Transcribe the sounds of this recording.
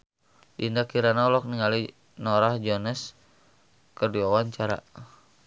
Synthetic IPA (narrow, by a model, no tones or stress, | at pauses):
dindakiɾanaɔlɔk̚niŋali | nɔɾahd͡ʒɔnɛs | kərduawaɲt͡ʃaɾa̰